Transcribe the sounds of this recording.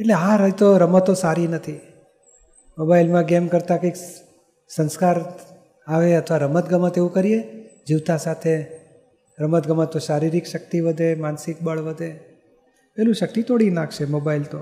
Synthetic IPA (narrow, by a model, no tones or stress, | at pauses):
eʈleaɾəd͡ʒt̪oɾəmət̪ːosaɾinət̪ʰi | mobailmãɡemkəɾt̪akəjk | sə̃nskaɾ | aʋeət̪ʰʋaɾəmət̪ɡəmãt̪eʋũkəɾied͡ʒiʋt̪asat̪ʰe | ɾəmət̪ɡəmãt̪oʃaɾiɾikʃək̚t̪iʋəd̪ʱemansik̚bəɭʋəd̪ʱe | pɛɦlũʃək̚t̪it̪oɽinaɡʃemobailt̪o